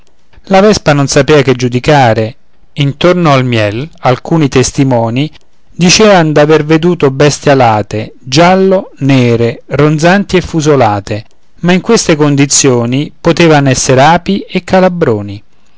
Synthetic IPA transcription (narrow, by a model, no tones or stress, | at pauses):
lavɛspanonsapeːvakɪd͡ʒːud̪ikaːɾe | int̪ornoalmjɛlalkuːnit̪est̪imɔːni | d̪it͡ʃɛːvand̪averved̪uːt̪obɛst̪jalaːt̪ed͡ʒalːoneːɾerond̪zant̪iefːuzolaːt̪e | maiŋkwest̪ekond̪it̪sːjoːnipot̪eːvanɛsːeɾeaːpiekʰːalabɾoːni